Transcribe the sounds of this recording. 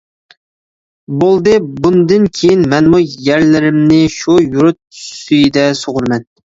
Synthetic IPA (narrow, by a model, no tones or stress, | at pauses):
bolˠd̪ɨbund̪ɨnkʲʰejinmɛnmujæɾlɪɾɪmnɪʃujuɾut̪yjd̪ɛsoʁʊɾmɛn